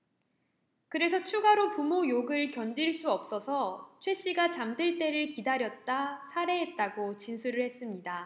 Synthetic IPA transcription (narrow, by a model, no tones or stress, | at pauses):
kɯɾe̞sʰʌt͡ɕʰuɡaɾopumojoɡɯɭkjʌndiɭs͈uʌp̚s͈ʌsʰʌt͡ɕʰwe̞ɕ͈iɡat͡ɕamdɯɭt͈e̞ɾɯɭkidaɾjʌt̚t͈asʰaɾe̞ɦet̚t͈aɡot͡ɕinsʰuɾɯɭhe̞s͈ɯmɲida